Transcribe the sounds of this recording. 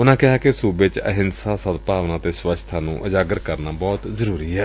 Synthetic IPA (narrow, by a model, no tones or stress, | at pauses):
ʊnãːkɪɦaːkesuːbet͡ʃəɦɪnsaːsət̪paːʋnãːt̪eːsʋəʃʰt̪ʰaːnṵ̃ːʔəd͡ʒaːɡəɾkəɾnaːbɔːt̪zəɾuːɾiːɦɛː